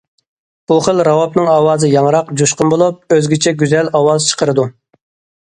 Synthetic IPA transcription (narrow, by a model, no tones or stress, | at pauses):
b̥uχəlɾɑwɑpnɨŋɑːwɑːzɨjɑŋɾɑqd͡ʒuʃqʊnbolˠup̚øzɡʲit͡ʃʰɛɡʲyzɛlɑwɑːzt͡ʃʰə̥qʰəɾɨd̪u